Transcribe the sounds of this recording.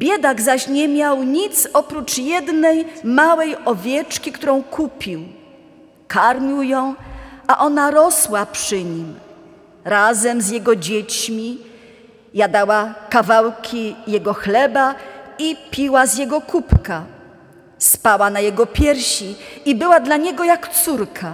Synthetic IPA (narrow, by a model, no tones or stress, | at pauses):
bʲjɛd̪aɡzaɕɲɛmʲjawɲit̪sɔpɾut͡ʂjɛd̪nɛjmawɛjɔvʲjɛt͡ʂkʲikt̪uɾɔ̃w̃kʰupʲiw | kʰaɾmʲiwjɔ̃w̃ʔaʔɔnaɾɔswapʂɘɲim | ɾazɛmzjɛɡɔd͡ʑet͡ɕmʲi | jad̪awakavawkʲʰijɛɡɔxlɛbaipʲiwazʲjɛɡɔkupka | spawanajɛɡɔpʲjɛɾɕiibɘwad̪laɲɛɡɔjakt̪suɾkʰa